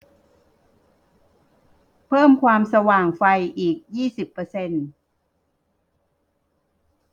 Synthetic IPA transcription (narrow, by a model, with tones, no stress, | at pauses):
pʰɤː˥˩mkʰwaː˧msa˧waː˨˩ŋfa˧jʔiː˨˩k̚jiː˥˩si˨˩pːɤː˧se˧n